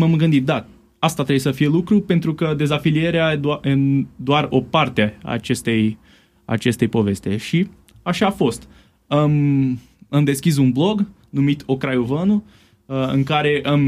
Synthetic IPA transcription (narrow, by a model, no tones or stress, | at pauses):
mamɡɨnd̪it̪̚d̪a | ast̪at̪ɾeujsəfije̞lukɾupe̞nt̪ɾukəd̪e̞zafilie̞ɾead̪ed̪oaro̞part̪eaa̰t͡ʃe̞st̪e̞j | a̰t͡ʃe̞st̪e̞jpo̞ve̞st̪e̞ʃi | aʃaːfo̞st̪ | əm | ɨmd̪e̞skʲis̬unblo̞ɡ | numit̪o̞kɾajovənu | əɨ̰ŋkaɾe̞ʔɨm